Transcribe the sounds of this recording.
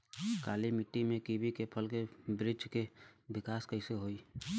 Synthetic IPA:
kaːlimɪʈːimẽkiːbikepʰəlkebɾɪd͡ʒkebɪkaːskəiseɦoːiː

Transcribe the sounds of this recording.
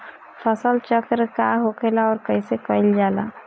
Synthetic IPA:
pʰəsəlt͡ʃəkɾkaɦokelaɔːɾkəisekəɪld͡ʒaːla̰ː

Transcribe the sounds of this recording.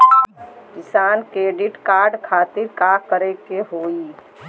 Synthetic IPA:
kɪsaːnkɾeːɖɪʈkaːɾɖkʰaːt̪ɪɾkakəɾekeɦoːi

